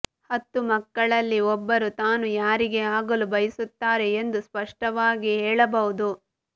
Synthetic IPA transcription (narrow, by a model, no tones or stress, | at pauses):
hɐt̪ːumɐkːɐɭɐlːiɔbːɐɾut̪aːnujaːɾiɡe̞aːɡɐlubɐjisut̪ːaːɾe̞ːnd̪uspɐʂʈɐʋaːɡiɦɛːɭɐbɐʋud̪u